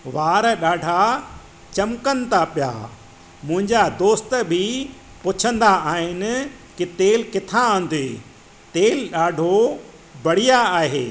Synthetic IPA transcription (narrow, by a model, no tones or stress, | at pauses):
ʋaːɾɗaːɖʱa | t͡ɕɐmkənɪ̆t̪ãpija̰ː | mʊ̃ɦɪ̃ɲd͡ʑad̪oːst̪əbʱi | pʊt͡ɕʰə̃nd̪aaːɦɪnɪ̆ | kit̪eːlkɪt̪ʰããːn̆d̪eː | t̪eːlɗaːɖʱo | bɐɽ̤ijaaːɦeː